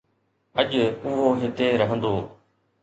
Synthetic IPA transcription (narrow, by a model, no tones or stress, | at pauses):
əʄʊɦoːɦɪt̪eːɾəɦə̃nd̪oː